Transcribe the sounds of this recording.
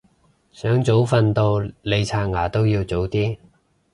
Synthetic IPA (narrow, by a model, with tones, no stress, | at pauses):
sœː˨˥ŋt͡so˨˥wfɐ˧nt̪o˧wle˨˧jt͡sʰaː˧ŋaː˨˩t̪o˥wjiː˧wt͡so˨˥wt̪iː˥